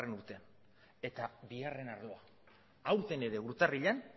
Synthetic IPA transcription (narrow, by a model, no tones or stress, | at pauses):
renuɾt̪e | e̞t̪abiare̞naɾlo̞a | awɾt̪e̞ne̞ɾe̞uɾt̪ariʎan